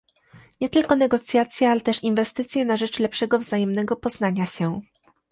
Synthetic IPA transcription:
ɲɛt̪ɘlkɔnɛɡɔt̪sʲjat̪sʲjealɛt̪ɛʂinvɛst̪ɘt̪sʲjɛnaʐɛt͡ʂlɛpʂɛɡɔvzajɛmnɛɡɔpɔznaɲaɕɛ

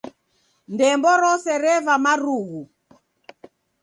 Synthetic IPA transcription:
ndɛmbɔɾɔsɛɾɛβamaɾuɣu

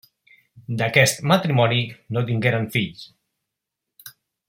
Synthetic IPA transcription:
d̪akɛst̪mat̪ɾimɔninot̪̬iŋɡeɾaɱfiʎ

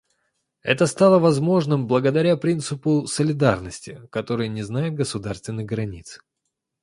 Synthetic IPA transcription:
ɛ̰t̪əst̪alˠəvɐzmo̞ʐnɨmblˠəɡəd̪ɐɾʲapɾʲint̪sɨpʊsəlʲɪd̪arnəsʲtʲɪkɐt̪o̞ɾɨjənʲɪznajɪt̪̚ɡəsʊd̪arst̪vʲɪnːɨɣɡɾɐnʲit̪s

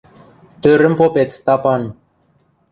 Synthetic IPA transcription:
t̪øɾɘ̆mpopet̪st̪ɑpɑn

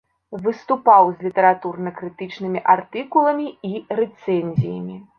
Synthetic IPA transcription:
vɨst̪upawzʲlʲit̪ɛɾat̪urnɐkɾɨt̪ɨt͡ʂnɨmʲiʔart̪ɨkulˠɐmʲiiɾɛt̪sɛnʲzʲijɐ̰mʲi

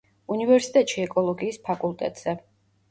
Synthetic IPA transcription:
univɛɾsit̪ʼɛt̪ʼʃiɛkʼɔlˠɔɡiːspʰakʼulˠt̪ʼɛ̰t̪ʼz̥ɛ

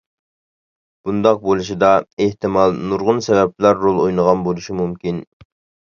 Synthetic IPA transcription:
b̥und̪ɑq̚bolˠuʃid̪ɑeht̪ɨmɑlˠnuɾʁʊnsɛvɛp̚læɾːolˠojnəʁɑnbolˠuʃimumkʲin

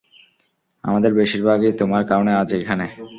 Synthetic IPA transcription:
a̰mad̪eɾbeʃiɾbʱaɡet̪omaɾkaonead͡ʑekʰane

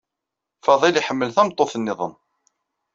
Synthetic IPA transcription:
fɑðˤiliħəmːəlθæmt̪ˤːoθnːɪðˤə̰n

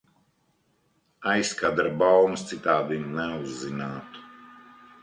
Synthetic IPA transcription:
ajskad̪ɾbawmst̪sit̪aːd̪imnɛuzːinaːt̪u̥

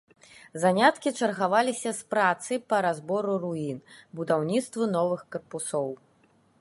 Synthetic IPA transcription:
zanʲat̪kʲit͡ʂɐrɣavalʲisʲɐspɾat̪sɨjpɐɾazbɔɾuɾuinbud̪awnʲit̪st̪vɐnɔvɨxkɐrpusɔw

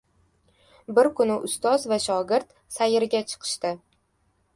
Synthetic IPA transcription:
bɪɾkʰʊnɪʔʊst̪ɒzvaʃɒɡʲɪɾt̪ | sajɪɾɡʲat͡ʃʰɨ̥qʰɨ̥ʃt̪ɪ

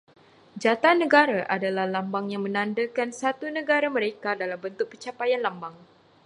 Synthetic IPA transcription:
d͡ʒat̪anə̃ɡaɾaʔadalahlambaŋjaŋmə̃nãndakansat̪unə̃ɡaɾamə̃ɾekadalambənt̪ʊk̚pət͡ʃapajanlambaŋ

